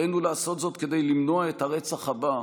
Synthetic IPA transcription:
ejnulaːso̞t̪zo̞t̪ked̪e̞jlimno̞ae̞t̪haʁe̞t͡saχhaba

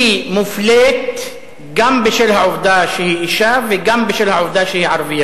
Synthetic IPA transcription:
imʊfleːt̪ | ɡambɪʃɪlhaʕʊfd̪aːʃihiʔɪʃaːbɪɡambɪʃɪlhaʕʊfd̪aːʃihiːʕɑɾˤbɪjːa

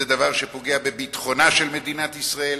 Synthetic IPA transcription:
ed̪avaʁʃe̞po̞ɡeabebit̪χo̞naʃelme̞d̪inat̪isʁael

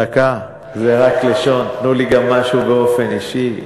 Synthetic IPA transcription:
aka | zeʁakleʃo̞npnuliɡamːaʃubeo̞fe̞niʃi

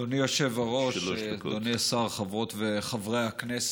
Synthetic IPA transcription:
onijoʃevaʁo̞ʃdoniasaʁχavʁo̞tveχavʁeaknes

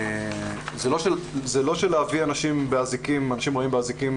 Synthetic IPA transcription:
zelo̞ʃezelo̞ʃeleavianaʃimbeazikimanaʃimʁo̞imbeazikim

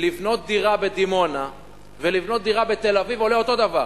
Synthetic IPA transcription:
livno̞t̪̚d̪iʁabe̞d̪imo̞na | velivno̞t̪̚d̪iʁabe̞t̪e̞lavivo̞leo̞t̪o̞d̪avaʁ

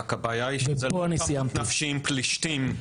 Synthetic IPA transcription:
kabajajiʃzboanisijamtnafʃiimpliʃtim

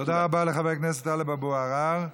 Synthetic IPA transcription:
t̪od̪aʁabaleχavekneset̪alebaboaʁaʁ

